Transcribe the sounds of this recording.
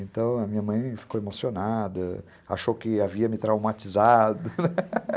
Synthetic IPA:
ẽt̪ɐ̃w̃ɐmĩɲɐmɐ̃j̃fi̥kowemosionad̪ɐ | a̰ʃowkɪaviɐmɪt̪ɾawmat͡ʃizad̪ɐnɛ

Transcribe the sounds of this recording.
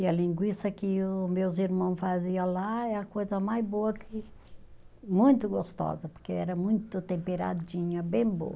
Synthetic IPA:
ɪɐlĩŋɡwist̪ɐkɪmewziɾmɐ̃w̃faziɐlaɛɐkojzɐmajzboɐkʰɪ | mũj̃t̪ʊɡost̪ɔ̰zɐpoɾkeɛɾɐmũj̃t̪ʊt̪ẽmpeɾa̰d͡ʒĩɲɐbẽj̃bo̰wɐ

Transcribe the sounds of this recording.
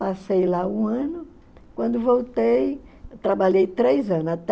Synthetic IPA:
asejlaũɐ̃nʊ | kwɐ̃nd̪ʊvowt̪ejt̪ɾabaʎejt̪ɾejzɐ̃nʊzat̪

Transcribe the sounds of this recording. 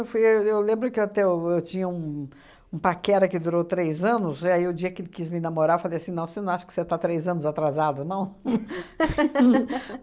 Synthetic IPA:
ewfujwewlẽmbɾʊkɪwat̪ɛʊewt͡ʃĩɲɐũ | ũpakɛɾɐkɪd̪uɾowt̪ɾejzɐ̃nʊziaiʊd͡ʒiɐkɪelɪkizmɪinɐmoɾaɾefalejasĩnɐ̃w̃senɐ̃w̃aʃʊ̥kɪ̥set̪at̪ɾejzɐ̃nʊzat̪ɾazad̪ʊnɐ̃w̃

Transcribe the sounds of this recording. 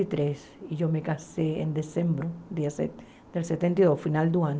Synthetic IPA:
it̪ɾes | iʝomekasḛːnd̪esembɾod̪iase | d̪̥elset̪ent̪iðosfinald̪uaɲ

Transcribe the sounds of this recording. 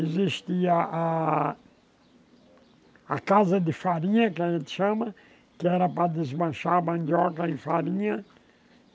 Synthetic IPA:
eziʃt̪iɐʔa | kazɐd̪ɪfaɾĩɲɐkɪaʒẽnt̪ɪ̥ʃɐ̃mɐ | kɪɛɾɐpɾɐd̪ɪzbɐ̃ʃaɾbɐ̃nd̪ɔkɐẽfaɾĩɲɐ

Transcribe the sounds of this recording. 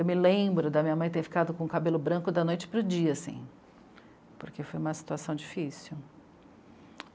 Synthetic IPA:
ewmɪlẽbɾʊd̪ɐmĩɲɐmɐ̃j̃t̪eɾfi̥kad̪ʊkõũkabelʊbɾɐ̃kʊd̪ɐnojt͡ʃɪ̥pɾʊd͡ʒiɐsḭ̃ | poɾkefojũmɐsi̥t̪uasɐ̃w̃d͡ʒifisuw

